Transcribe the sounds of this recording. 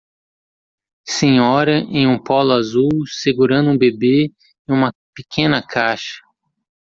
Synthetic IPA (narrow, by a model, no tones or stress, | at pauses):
sẽɲɔɾɐʔẽj̃ũpɔlʊazuwseɡuɾɐ̃nd̪ʊũbebe | ẽj̃ũmɐpekʰẽnɐkʰaʃɐ̥